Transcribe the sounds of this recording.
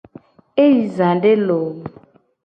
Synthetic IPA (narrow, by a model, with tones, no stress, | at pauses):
e˦ji˨zã˨ɖe˦lo˨